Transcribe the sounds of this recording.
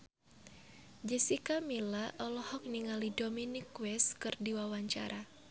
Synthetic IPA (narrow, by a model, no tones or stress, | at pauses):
d͡ʒɛsikamilaʔɔlɔhɔk̚niŋalidominikwɛskɨrdiwawaɲt͡ʃa̰ɾa